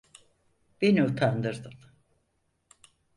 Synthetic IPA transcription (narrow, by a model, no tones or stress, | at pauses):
b̥eniut̪ʰand̪ɯɾd̪ɯm